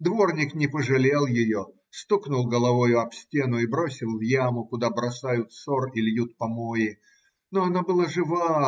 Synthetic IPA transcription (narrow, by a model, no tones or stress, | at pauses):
d̪vo̞rnʲɪknʲɪpəʐɨlʲe̞lˠjɪjo | st̪uknʊlˠɡəlˠɐvojʊɐpsʲtʲe̞nʊibɾosʲɪlˠvjamʊkʊd̪abɾɐsajʊt̪sorɪlʲjut̪̚pɐmoɪ | noɐnabɨlˠaʐɨva